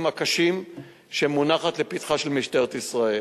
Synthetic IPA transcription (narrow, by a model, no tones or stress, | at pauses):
makaʃim | ʃemunaχat̪lepitχaʃelmiʃteʁt̪isʁae